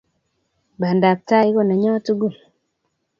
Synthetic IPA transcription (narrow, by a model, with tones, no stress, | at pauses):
ba˨nda˨p̚ta˦i˦kɔ˦na˨ɲɔ˦tu˦ɡu˦˨